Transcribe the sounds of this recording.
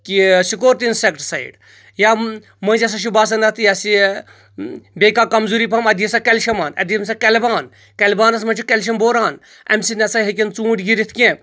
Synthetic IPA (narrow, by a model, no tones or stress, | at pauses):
kisikoːɾt̪insekʈsɐḭɖ | ja | mɐ̃nt͡ʃɐs̬ɐʃ̬ubaːs̬ɐnɐt̪ʰjasi | bʲekaːkɐmzuːɾipɐmɐd̪iisakɐlʃɐmaːnɐ̰d̪iɐms̬akɐlbaːn | kɐlbaːnɐsmɐ̃nt͡ʃʰikɐlʲʃ̬ɐmboːɾaːn | ɐ̰msinɐsajɦɐk̬ʲint͡sũːʈɡiɾit̪ʰkẽ